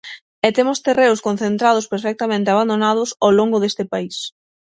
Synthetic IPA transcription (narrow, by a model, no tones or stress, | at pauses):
ɛt̪emʊst̪ereʊskonθent̪ɾað̞ʊspeɾfɛk̚t̪amẽnt̪ɪaβ̞and̪onað̞ʊsowloŋɡʊðest̪ɪpais